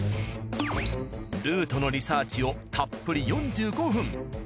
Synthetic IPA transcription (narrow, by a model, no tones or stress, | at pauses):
ɾɯ̟ːt̪o̞no̞ɾʲisaːt͡ɕio̞t̪ʰapːɯ̟ɾʲijõ̞ɲ̟d͡ʑɨːɡo̞ɸɯ̟̃ŋ